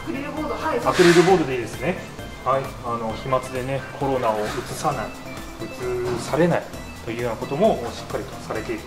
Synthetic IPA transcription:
ɾapɯ̟ɾɯɾɯ̟bo̞ːɾod̪e̞d̪e̞sɨne̞ | haiano̞çimat͡sɨd̪e̞ne̞kʰo̞ɾo̞nao̞ɯ̟t͡sɨsanai | ɯ̟t͡sɨsaɾe̞nai | t̪o̞jɯ̟ːjɯoːnako̞t̪o̞mo̞oɕi̥kːaɾʲit̪o̞saɾe̞t̪e̞iɾɯ

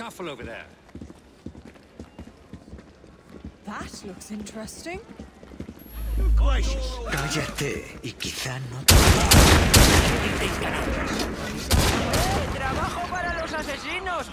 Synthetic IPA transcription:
kʌfəl̩ˠoʊvəðə̰ | ðatlʊksɪ̃ntɹ̥ɛstɪ̃ŋ | kad͡ʒɛt̪ḛikiθanot̪aa | iθɪ̃ŋkana | et̪ɾaβaxopaɾalos̬asesinos

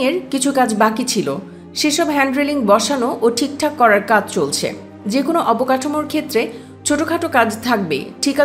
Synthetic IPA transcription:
eɾkit͡ɕʰukad͡ʑbakit͡ɕʰilo̰ | ʃeʃɔbɦɛɳɖɾeliŋbɔʃanoʔoʈʰik̚ʈʰakːɔɾaɾkad͡ʑʱt͡ɕolt͡ɕʰḛ | d͡ʑekonoʔɔpokaʈʰomoɾkʰet̪ːɾe | t͡ɕʰoʈokʰaʈokad͡ʑt̪ʰak̚bḛʈʰika

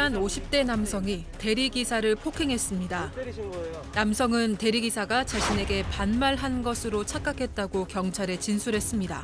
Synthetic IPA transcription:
anoɕʰip̚t͈e̞namsʰʌŋite̞ɾiɡisʰaɾɯɭpʰokʰe̞ŋɦe̞s͈ɯmɲida | namsʰʌŋɯnte̞ɾiɡisʰaɡat͡ɕaɕʰine̞ɡe̞panmaɭɦanɡʌsʰɯɾot͡ɕʰak͈akʰe̞t̚t͈aɡokjʌŋt͡ɕʰaɾe̞t͡ɕinsʰuɾɦe̞s͈ɯmɲida̰

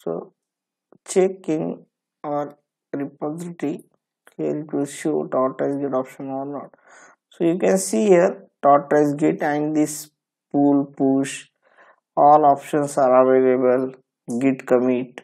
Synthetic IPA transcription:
so̰ː | t͡ʃekɪ̃ŋ | ɔəɾ | ɾɪpɔːzɪʈi | hiəɾɪʈʋiʃo̰ːʈɔːʈːaɪsɡeʈɔpʃə̃nɔːɾnɔːʈ | soːjukɛ̃nsiːhiəɾʈɔːɾʈːaɪsɡɪʈɛ̃ɳɖd̪is | puːlpuːʃ | ɔːlɔːpʃə̃nsəɾaʋelebəl | ɡɪʈkəmiːʈ

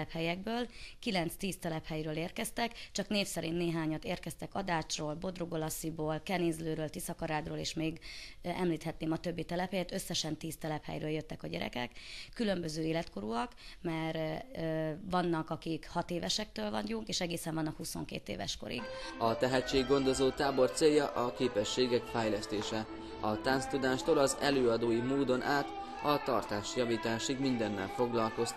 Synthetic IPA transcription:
ɛphɛjɛɡ̚bøːlkilɛnt̪st̪iːst̪ɛlɛphɛjɾøːleːrkɛst̪ɛkt͡ʃɒkneːfsɛɾiːnːeːɦaːɲɒt̪eːrkɛst̪ɛkɒd̪aːt͡ʃroːlbo̞d̪roɡolɒsiboːlkɛniːzløːɾøːlt̪isɒkɒɾaːd̪roːlḛːʃmeːɡ | ɛmliːt̪hɛt̪neːmɒt̪ø̞bːit̪ɛlɛphɛjɛt̪ø̞sːɛʃɛnt̪iːst̪ɛlɛphɛ̰jɾøːljøt̪ːɛkɒɟɛ̰ɾɛ̰kɛ̰kːylø̞mbøzøːeːlɛt̪ko̞ɾuɒkmɛr | vɒnːɒkɒkikhɒt̪eːvɛʃɛk̚t̪øːlvɒ̰ɲɟuŋkeːʃɛɡeːsɛɱvɒnːɒkhuso̞̰ŋkḛːt̪ḛːvɛ̰ʃko̞̰ɾḭɡɒt̪ɛɦɛt͡ʃːeːɡːo̞nd̪o̞zoːt̪aːbo̞rt̪seːjːɒʔɒkeːpɛʃːeːɡɛkfɛjlɛst̪eːʃɛ | ɒt̪anst̪ud̪aːʃt̪olɒzɛløːɒd̪oːjimoːd̪o̞nʔaːt̪ | ɒt̪ɒ̰rt̪aːʃjɒviːt̪aːʃiɡmind̪ɛnːɛ̰lfo̞ɡlɒlko̞st̪

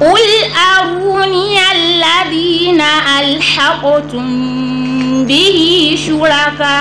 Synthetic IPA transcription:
kʊlʔaɾuːnialːaðiːnaʔalħaqɔtʊm | bɪɦiʃuɾaka

